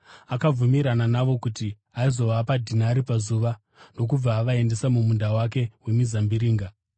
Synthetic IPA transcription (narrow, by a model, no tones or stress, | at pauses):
akab͡vumiɾananaʋo̞kuti | aizo̞ʋapadʱinaɾipazuʋa | no̞k̬ub͡vaːʋae̞nde̞samumundawak̬e̞we̞mizambiɾiːŋɡa